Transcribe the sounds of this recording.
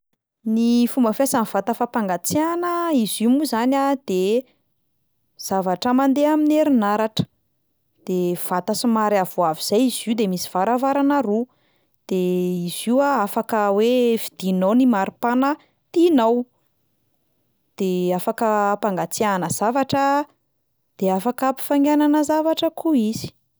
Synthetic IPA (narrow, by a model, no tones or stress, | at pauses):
nifumbəfjasanv̥at̪afapaŋɡat͡sianəizimuzanad̪̥e | z̥avaʈ͡ʂəmand̪eamineɾinaɾaʈ͡ʂə̥ | d̪̥ev̥at̪asimaɾavuaviz̥ajizid̪emisi̥v̥aɾavaɾanaɾu | d̪̥eiziwaafakəwevid̪̥inownimaɾipanə | t̪inaw | d̪̥eafakəpaŋɡat͡sianəzavaʈ͡ʂə | d̪̥eafakapi̥faŋɡʲananəzavaʈ͡ʂəkuiz̥i̥